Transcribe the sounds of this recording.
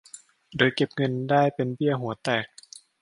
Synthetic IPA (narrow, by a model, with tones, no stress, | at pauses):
doː˧jke˨˩p̚ŋɤ˧ndaː˥˩jpe˧nbi˥˩əɦu˨˩˦ɐt̪ɛː˨˩k̚